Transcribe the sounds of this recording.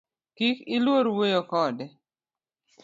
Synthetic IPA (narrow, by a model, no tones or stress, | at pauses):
kikɪlwoɾwejokɔdɛ